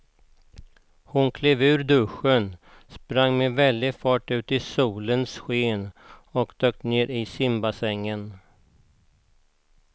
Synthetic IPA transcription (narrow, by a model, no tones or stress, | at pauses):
hʊnkʰleːvʉ̟ːɾd̪ɵɧən | spɾaŋːmevɛld̪ɪɡfɑːʈʉ̟ːt̪ɪsuːlənsɧeːnɔkd̪øːk̚t̪neːɾɪsɪmbasɛŋːən